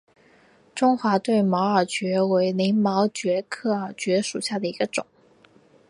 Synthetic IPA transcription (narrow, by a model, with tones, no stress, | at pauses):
ʈ͡ʂʊ˥ŋxwa˧˥t̪we˥˩ɪmɑ˧˥ʊə˞˨˩t͡ɕɥɛ˧˥we˧˥ɪli˧˥ŋmɑ˧˥ʊt͡ɕɥɛ˧˥kʰɤ˥˩ə˞˨˩t͡ɕɥɛ˧˥ʂṵ˨˩ɕja˥˩d̪ə˩i˧˥ɡə˧ʈ͡ʂʊ̰˨˩˦ŋ